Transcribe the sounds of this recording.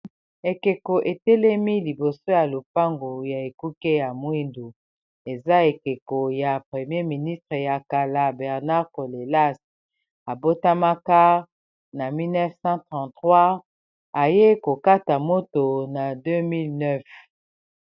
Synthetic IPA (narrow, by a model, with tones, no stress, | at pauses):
e˨ke˨ko˨ʔe˨tɛ˦lɛ˦mi˦li˨bo˨so˦ja˨lo˨p̚a˦ŋɡo˨ja˨e˨ku˦ke˦ja˨mwi˦ndu˨ | e˨za˦e˨ke˨ko˨ja˨pχe˨mje˦mi˨ni˦stʁe˨ja˨ka˨la˦bɛ˨ʁna˦ʁko˨le˨la˦s | a˨bo˦ta˦ma˦ka˦ | na˨mi˦lnɛ˦fsɑ̃˦tχɑ̃˨ntχwa˦ | a˨je˦ko˨ka˦ta˨mo˦to˨na˨dø˦mi˦lnœ˦f